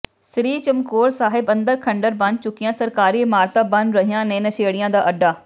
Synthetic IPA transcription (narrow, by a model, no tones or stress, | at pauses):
sɾiːt͡ʃəmkoːɾsaːɦɪbə̃nd̪əɾkʰəɳɖəɾbɐ̃n̚t͡ʃʊkɪjãːsəɾkaːɾiːɪmaːɾt̪aːbɐnɾəɦijãːnẽːnəʃeːɽɪjãːd̪aːʔəɖːaː